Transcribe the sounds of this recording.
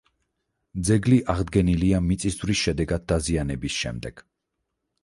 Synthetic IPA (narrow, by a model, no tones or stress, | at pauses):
d̪zɛɡliʔaʁd̪ɡɛniliamit̪sʼiszvɾisʃɛd̪ɛɡad̪̚ːazianɛbisʃɛ̰md̪ɛɡ̥